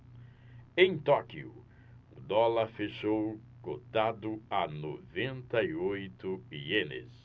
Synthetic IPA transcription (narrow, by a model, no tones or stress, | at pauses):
ẽj̃t̪ɔkiʊ̰ | ʊd̪ɔlɐɾfeʃow | kot̪ad̪ʊanovẽnt̪ɐiojt̪ʊienɪ̰s